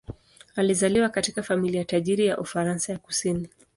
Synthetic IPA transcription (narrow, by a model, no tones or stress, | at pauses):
alizaliwakatikafamiliataʄiɾijaʔufaɾansajaku̥sini